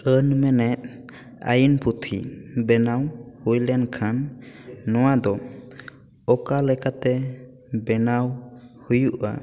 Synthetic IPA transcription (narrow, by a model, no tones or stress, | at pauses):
ənmɛnɛt̪̚ˀ | a̰jinpʰut̪ʰibɛnawhujlɛnkʰanː | ɔwad̪ɔ | ɔkalɛkat̪ɛ | bɛnawhujuʔa̰